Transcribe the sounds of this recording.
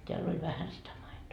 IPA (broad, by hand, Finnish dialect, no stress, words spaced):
teæl olʲ ʋæhæn sitæ mɑitoː